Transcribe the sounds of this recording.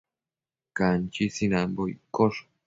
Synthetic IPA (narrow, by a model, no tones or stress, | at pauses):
kant͡ʃisinambojkoʂ